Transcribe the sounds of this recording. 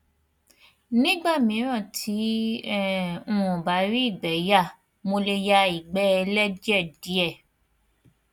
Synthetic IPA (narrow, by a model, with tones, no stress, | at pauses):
nĩ˦ɡ͡ba˦˨mĩ˨˦ɾ̃ã˦˨tʰi˨˦ɛ˨ũ˧ũ˨ba˨˦ɾi˦i˦˨ɡ͡bɛ˨˦ja˦˨ | mo˧le˧ja˧i˨ɡ͡bɛ˦ɛ˧lɛ˦d͡ʒɛ˦˨di˨˦ɛ˦˨